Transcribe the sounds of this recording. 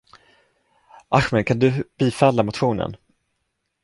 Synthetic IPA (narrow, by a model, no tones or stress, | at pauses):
ʔaɧmɛnkʰand̪ɵb̥iːfɛlːamʊt̪ɧuːnə̰n